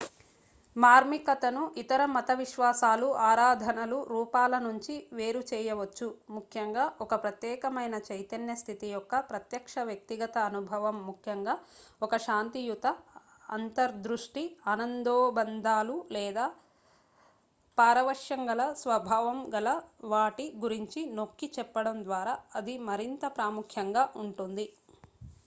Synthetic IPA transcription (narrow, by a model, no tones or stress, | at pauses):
maːɾmikɐt̪ɐnuʔit̪ɐɾɐmɐt̪ɐʋiʃʋaːsaːluʔaːɾaːd̪ʱɐnɐluɾuːpaːlɐnuɲt͡ʃiʋe̞ːɾut͡ʃɛːjɐʋɐt͡ʃːumukʰjɐŋɡaːʔɔkɐpɾɐt̪jɛːkɐmɐjnɐt͡ʃɐjt̪ɐnjɐst̪ʰit̪ijɔkːɐpɾɐt̪jɐkʂɐʋjɐk̚t̪iɡɐt̪ɐːnubʱɐʋɐmːukʰjɐŋɡaː | ɔkɐʃaːnt̪ijut̪ɐ | ɐ̰nt̪ɐɾd̪ɾuʂʈiɐnɐnd̪oːbɐnd̪ʱaːlulɛːd̪aː | paːɾɐʋɐʂjɐŋɡɐlɐsʋɐbʱaːʋɐmɡɐlɐʋaːʈiɡuɾiɲt͡ʃino̞kːit͡ʃɛpːɐɽɐmd̪ʋaːɾaːɐd̪imɐɾint̪ɐpɾaːmukʰjɐŋɡaːʔuɳʈund̪i